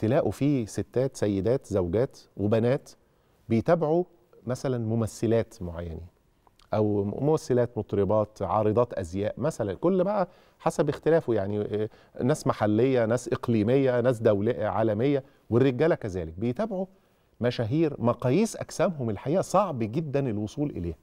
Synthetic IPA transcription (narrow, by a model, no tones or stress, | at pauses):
t̪elæːʔufiset̪ːæːt̪sæjːed̪æːt̪zæwɡæːt̪webænæːt̪ | bejt̪æːbʕu | mæsælænmomæsːelæːt̪moʕa̰jːæ̰ni | ʔæwmomæsːelæːt̪mot̪ˤɾebɑːt̪ʕɑ̰ːɾɨd̪ˤɑːt̪ʔæzjæːʔmæsælænkolːbæʔæ | ħasæbext̪elæːfjaʕni | næːsmaħalːejːænæːsʔeqliːmejːænæːs̬d̪æwleʕa̰ːlæmejːæ | werːeɡæːlækæzæ̰ːlɪk̚bejt̪æːbʕu | mæʃæːɦiːɾmɑqɑjiːsʔæ̰ksæːmɦomelħajæːʔsˤɑʕbɡɪd̪ːænelwosˤuːlʔḛlḛːh